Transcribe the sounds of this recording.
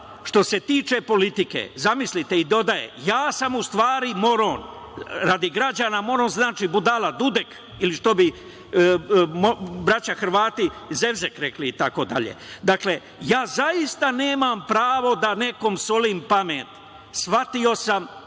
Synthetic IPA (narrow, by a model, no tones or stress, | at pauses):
ʃt̪o̞se̞t̪iːt͡ʃe̞po̞lit̪ikḛzamislit̪e̞id̪o̞d̪ajḛjaːsamust̪ʋaːɾimo̞ɾoːn | ɾad̪iɡɾad͡ʑaːnamo̞ɾo̞nznaːt͡ʃiːbud̪alad̪ud̪ek | iliʃt̪o̞bi | mobɾat͡ɕaxɾʋaːt̪ize̞ʋzekɾekliːt̪ako̞d̪a̰ʎḛd̪akle̞ | jaːzajist̪ane̞ːmampɾaːʋo̞d̪ane̞ko̞msoliːmpameːt̪ | sʋat̪io̞sam